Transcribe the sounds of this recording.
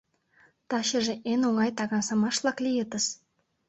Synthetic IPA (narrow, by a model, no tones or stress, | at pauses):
t̪ɑɕə̆ʒĕʔenoŋɑjt̪ɑɣɑnsɑmɑʃlˠɑklʲijet̪ə̆s